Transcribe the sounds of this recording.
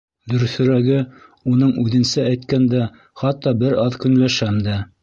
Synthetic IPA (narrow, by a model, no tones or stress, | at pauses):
d̪ɵ̆ɾθɵ̆ɾæɡɘunɤɴʉðɘ̆nsææjt̪kænd̪æ | χɑt̪ːɑbɘɾɑðkɵ̆nlæʃæmd̪æ